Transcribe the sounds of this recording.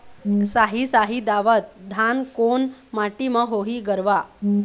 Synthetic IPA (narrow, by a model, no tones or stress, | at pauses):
saɦisaɦid̪aʋət̪̚d̪ʱankonmaʈiməɦoɦiːɡəɾʋa